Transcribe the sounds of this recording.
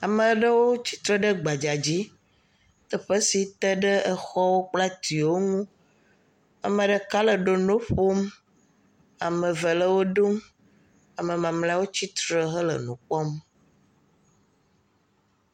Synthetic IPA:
a˨mə˨˦ɖə˦wo˦t͡ɕi̥˦t̪ɾə˦ɖə˦ɡ͡ba˨d͡ʒa˨d͡ʑi˦ | t̪ə˦ɸə˦si˨t̪ə˦ɖə˦ʔə˦xɔ˦wo˦k͡pla˦t̪i˨wo˦ŋũ˦ | a̰˨mə˨ɖə˨ka˦lə˨ɖo˨no˦ɸo˦m | a˨mə˨və˨lə˦wo˦ɖu˦m | a˨mə˨mã˨mla˦wo˦t͡ɕi˦t̪ɾə˦ɦə˦lə̰˨nũ˨k͡pɔ˦m

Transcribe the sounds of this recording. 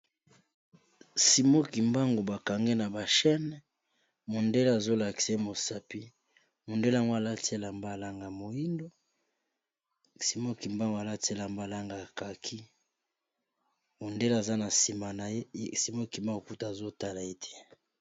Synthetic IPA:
si˨mo˦ki˨mba˦ŋɡo˨ba˨ka˨ŋɡe˦na˨ba˨ʃɛ˦n˦ | mo˨nde˦le˦a˨zo˦la˨ki̥˨sa˦mo˨sa˨pi˦ | mo˨nde˦la˨ŋɡo˦a˨la˦te˦la˨mba˦˨la˦ŋɡa˨mo˨ji˦ndo˦ | si˨mo˦ki˨mba˦ŋɡa˨la˦te˦la˨mba˦˨la˦ŋɡa˨ka˨kʰi˦ | mo˨nde˦la˨za˦na˨si˨ma˨na˨je˦si˨mo˦ki˨ma˦˨ku˦ta˨zo˦ta˦la˨e˦tʰɛ̥˦

